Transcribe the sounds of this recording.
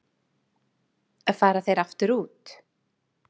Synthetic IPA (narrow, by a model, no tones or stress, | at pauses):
afaːɾaθejɾaft̪ʏɾuːt̪